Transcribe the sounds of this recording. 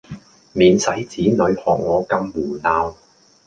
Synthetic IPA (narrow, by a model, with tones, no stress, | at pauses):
miː˨nsɐ˨˥jt͡siː˨˥nɵ˨˧ɥhɔː˨˩k̚ŋɔː˨˧kɐ˧mːuː˨˩naː˧w